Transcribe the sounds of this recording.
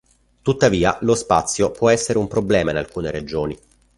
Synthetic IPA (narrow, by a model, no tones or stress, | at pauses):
t̪ut̪ːaviːa̰lospat̪sːjopwɔɛsːeɾeumpɾoblɛːmainalkuːneɾed͡ʒoːni